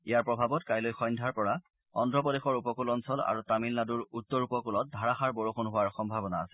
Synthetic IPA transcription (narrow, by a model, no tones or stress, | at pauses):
ijaɹpɹɔbʱabɔtkajlojxɔjndʱaɹpɔɹa | ɔndɹɔp̬ɔdexɔɹupɔkulɔnsɔla̰ɹutamilnaduɹutːɔɹupɔkulɔt̚dʱaɹaxaɹbɔɹoxonɦʊwaɹxɔmbʱabɔnaːsɛ̥